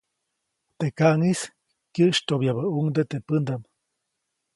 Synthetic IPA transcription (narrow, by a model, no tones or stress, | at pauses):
t̪ekaʔŋis | kjəʔʃt̪objaβəuŋd̪ət̪epɨnd̪am